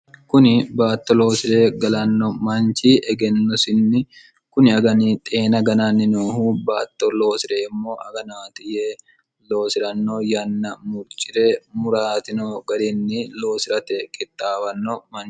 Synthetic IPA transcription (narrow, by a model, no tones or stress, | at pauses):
kʊnɪbaːt̪ːɔlo̞ːsɪɾe̞ːɡɐlɐnːɔmɐnt͡ʃiːʔɛɡɛnːɔsɪnːɪ | kʊnɪɐɡɐniːt̪ʼeːnɐɡɐnaːnːɪnoːhuːbaːt̪ːɔlo̞ːsɪɾeːɪmːo̞ːʔɐɡɐnaːt̪ɪjeː | lo̞ːsɪɾɐnːoːjɐnːɐmʊɾt͡ʃʼːɪɾeːmʊɾaːt̪ɪnoɡɐɾɪnːɪlo̞ːsɪɾɐt̪ɛkʼɪt̪ʼːaːbɐnːɔmɐn